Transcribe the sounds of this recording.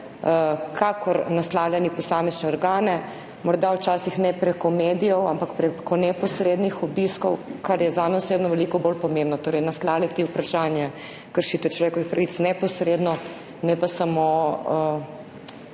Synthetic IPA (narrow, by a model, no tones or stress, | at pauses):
kʰakʰɔɾnaslawljanipɔsaːmɛznɛɔɾɡaːnɛ | mɔɾd̪awt͡ʃaːsixnɛpɾɛkɔmeːd̪ijɔwampakpɾɛkɔnɛpɔsɾeːd̪nixɔbiskɔwkaɾjɛzanɔsʋed̪nɔʋɛlikɔbolpɔmẽmbnɔt̪oːɾɛjnaslaːwljat̪iupɾaʃanjɛ | kəɾʃiːt̪ɛt͡ʃlɔʋeːkɔʋixpɾaʋit̪snɛpɔsɾed̪nɔ | nɛpasamo